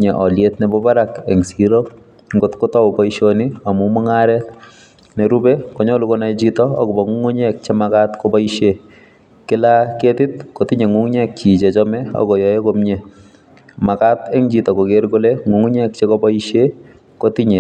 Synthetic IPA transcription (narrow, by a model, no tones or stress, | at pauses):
ɲɛʔɔljetnɛbɔbaɾakɛŋsiɾo | ŋɡotkɔtɔwbɔiʃoniamumɔŋaɾɛt | nɛɾubekɔɲɔlukɔnad͡ʒitɔ̰ːɡɔbɔŋuŋoɲɛk̚t͡ʃemakatkɔbaiʃe | kɪlaketɪt̚kotiɲeŋuŋɲɛk̚t͡ʃit͡ʃet͡ʃɔmɛɔ̰ɡɔjɔjekomɲe | makatɛŋd͡ʒitɔkoɡeɾɡoleŋuŋɲɛk̚t͡ʃekɔbaiʃe | kotiɲe